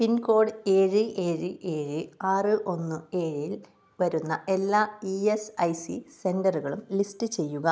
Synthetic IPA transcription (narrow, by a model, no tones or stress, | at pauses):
pinko̞ːɖɨe̞ːɻɨʔe̞ːɻɨʔe̞ːɻɨaːrɨʔo̞nːɨe̞ːɻil | ʋɐɾunːɐʔe̞lːaːiesɐjsḭse̞ndɐruɣɐɭumlistɨt͡ɕe̞jːuɣɐ